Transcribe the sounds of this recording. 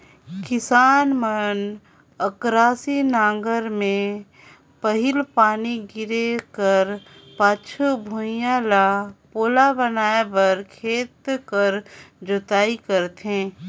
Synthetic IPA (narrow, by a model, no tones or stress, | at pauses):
kɪsaːnməɾn | əkɾaːsinãːŋɡəɾmẽ | pəɦɪlpaːniɡɪɾekəɾpaːt͡ʃʰubʱujalapoːlabənaːebəɾkʰeːt̪kəɾd͡ʒot̪aːikəɾt̪ɦẽː